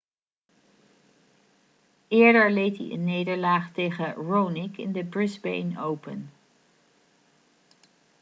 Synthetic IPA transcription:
ɪːɹdəɹlejtɦḭʔə̰nːejdəɹlaːχtejχəɹownɪkɪ̰ndəbɹɪzbḛjnowpə̰n

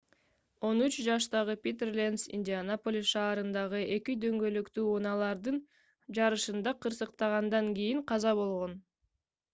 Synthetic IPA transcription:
o̞nyt͡ʃd͡ʒɑʃt̪ɑʁɯpʲit̪erlʲensḭnʲdʲɪanopolʲiʃɑːɾɯnd̪ɑʁɯʔe̞kid̪ø̞ŋɡø̞lykt̪yːunɑlˠɑɾd̪ɯn | d͡ʒɑɾɯʃɯnd̪ɑqʰɯɾsɯqt̪ɑʁɑnd̪ɑŋɡijiŋqʰɑzɑβo̞lˠʁo̞n

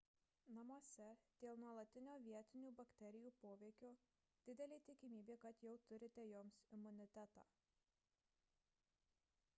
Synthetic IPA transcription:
nɐmoɔsʲɛd̪̥ʲeːlˠnuɔlˠɐt̪ʲɪnʲoːʋʲiɛt̪ʲɪnʲuːbɐkʲt̪ʲɛɾʲɪjuːpoːʋʲɛɪkʲoː | d̪̥ʲɪd̪ʲɛlʲeːt̪ʲɪkʲɪmʲiːbʲeːkɐt̪jɛʊt̪ʊɾʲɪt̪ʲɛjoːmsɪmʊnʲɪt̪ʲæt̪ɑ̰ː

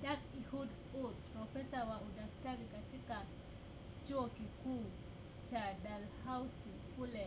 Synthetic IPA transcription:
dakihud | ʊt̚pɾɔfɛsawaudak̚taɾikatɪka | t͡ʃʊokiku | t͡ʃadalhawsi | pulɛ

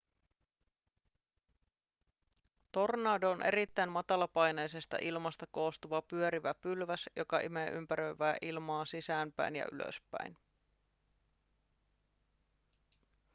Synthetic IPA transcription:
t̪o̞rnɑːdoonʔe̞̰ɾit̪ːæjmmɑt̪ɑlɑpɑjnejse̞st̪ɑ̰ʔilmɑst̪ɑko̞ːst̪uʋɑpyøɾiʋæpylʋæsjokɑʔimeʔy̰mpæɾøɥʋæːʔilmɑːsisæːnpæ̰jnjɑ̰ʔy̰lø̰spæ̰in

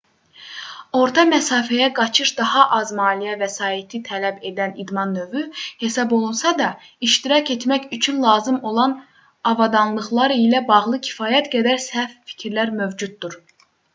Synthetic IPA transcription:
o̞ɾt̪ʰɑmæsɑːfæjæɡɑt͡ʃʰɯʃd̪ɑhɑʔɑzmɑːlijævæsɑːit̪ʰit̪ʰælæbe̞d̪ænid̪mɑnːø̞vyhe̞sɑbo̞lˠunsɑd̪ɑiʃt̪iɾɑcʰe̞t̪mæcyt͡ʃʰynlˠɑːzɯmo̞lˠɑn | ɑvɑd̪ɑnlˠɯχlˠɑɾilæbɑʁlˠɯcʰi̥fɑːjæt̪ɡæd̪æɾsæfːi̥cʰiɾlæɾmø̞vd͡ʒut̪̚d̪uɾ

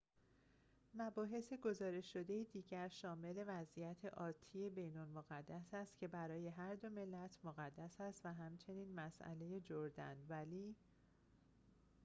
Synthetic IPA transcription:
mæbɒːɦe̞se̞ɡo̞zɒːɾe̞ʃʃo̞d̪e̞jid̪iːɟæɾʃɒːme̞le̞væzʔijæt̪ʰḛʔɒːt̪ʰːiːje̞be̞jnolmoɣæd̪ːæsæst̪cʰe̞bæɾɒːje̞ɦæɾd̪o̞me̞lːæt̪ʰmoɣæd̪ːæsæst̪væɦæmt͡ʃʰe̞niːnmæsʔæ̰le̞je̞d͡ʒoɾd̪æ̰nvæliː

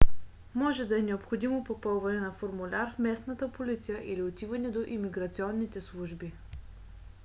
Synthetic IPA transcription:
mɔʒɛd̪ɐɛnɛopxod̪imopopɔlˠvɐnɛnɐfoɾmulʲaɾfmɛsnət̪əpolit̪sijəʔiliot̪ivənɛd̪oʔimiɡɾɐt̪siɔnːit̪ɛslˠuʒbi

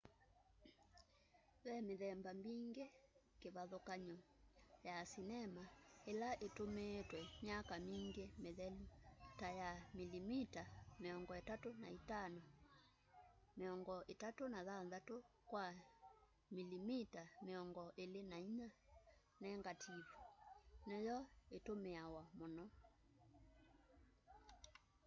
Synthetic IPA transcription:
βɛmeðɛmbamiŋɡekeβaðokaɲɔjasinɛmaelaʔetometwɛmjakamiŋɡemeðɛltajamilimitameɔŋɡɔetatonaitanɔ | meɔŋɡɔʔetatonaðanðatokwa | milimitameɔŋɡɔʔelenaiɲa | nɛŋɡatʰivunɛjɔetomeawamɔnɔ

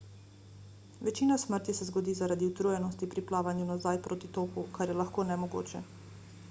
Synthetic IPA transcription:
ʋɛt͡ʃiːnasməɾt̪jisɛzɡɔd̪iːzaɾad̪iut̪ɾujɛnɔst̪ipɾiplaːʋanjunazajpɾʔoːt̪it̪oːpukaɾjɛlaxkoːnɛmɔɡo̰ːt͡ʃɛ

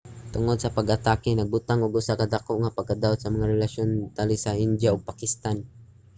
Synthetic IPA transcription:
t̪ʊŋod̪̚sɐpɐɡɐt̪akɪnɐɡ̚bʊt̪aŋʊɡʔʊsakɐd̪akoʔŋapɐɡ̚kad̪awat̪̚sɐmɐŋaɾɛlaʃont̪alɪsɐʔɪnd̪jaoɡ̚pakɪst̪an

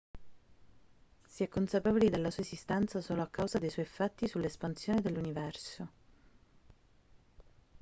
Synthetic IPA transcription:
siɛkːonsapeːvolid̪elːasuːaezist̪ɛnt̪sasoːloakːawzad̪ejswɔjfat̪ːisulːespansjoːned̪elːunivɛrso

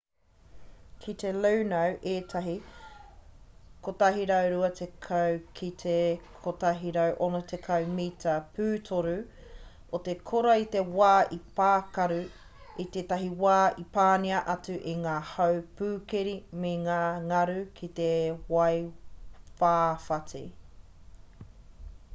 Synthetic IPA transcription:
kʰit̪elownɐwʔeːt̪ʰɐɦi | kotɐɦiɾɐwɾuɐt̪ʰekʰɐwkʰit̪ʰekʰotɐɦiɾɐwʔonot̪ʰekʰɐwmitʰɐpʰʉːtʰoɾu | ot̪ekʰoɾɐit̪e̞waːʔipaːkɐɾu | it̪eːt̪ɐɦiwaːipaːniɐʔɐt͡sʉʔeŋaːhɐwpʉːkeɾimeŋaːŋɐɾukʰit̪ewɐj | faːfɐti

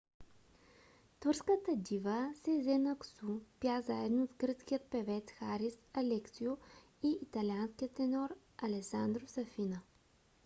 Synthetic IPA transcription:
t̪vɤɾskət̪əd̪ivəsɛzɛnəksupjazaɛd̪novɡɾɤt̪sk̟ʲijət̪̚pɛvɛt̪sxaɾisɐlɛksio | iːt̪ɐlʲianskijət̪ːɛnɔɾ | ɐlɛsand̪ɾosɐfinə

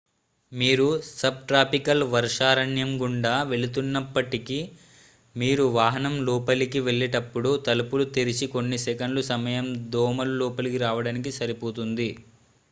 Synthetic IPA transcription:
miːɾusɐb̚ʈɾaːpikɐlʋɐɾʂaːɾɐɳjɐmɡuɳɖaːʋe̞ɭut̪̬unːɐpːɐʈiki | miːɾuʋaːɦɐnɐmlɔːpɐlikiʋeɭːɛʈɐpːuɽut̪ɐlupulut̪iɾit͡ʃikonːisɛkɐnlusɐmɐjɐmd̪ɔːmɐlulɔːpɐlikiɾaːʋɐɽaːnikisɐɾipoːt̪und̪i

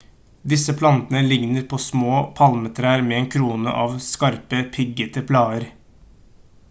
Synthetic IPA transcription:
d̪ɪsəpʰlɑnt̪ənəlɪŋnəɾpʰoːsmoːpʰɑlmət̪ʰɾæːɾmeːeːnkʰɾuːnə̰ʔɑːʋskɑɾpəpʰɪɡət̪əpʰlɑːəɾ

